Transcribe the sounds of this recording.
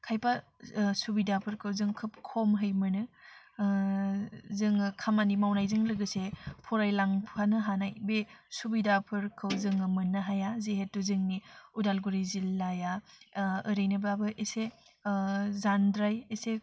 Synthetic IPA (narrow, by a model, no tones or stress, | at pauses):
kʰajpasubidapʰɯɾkʰɯwzɯŋkʰɯp̚kʰomɦɯjmɯnɯ | zɯŋkʰamanimawnajzɯŋlɯɡɯsepʰɔɾajlaŋpʰanɯɦanajbesubidapʰɯɾkʰɯwzɯŋɯmɯnɯɦajazeɦetːuzɯŋniudalɡuɾizilːaja | ɯɾejnɯbabɯʔese | zandɾajese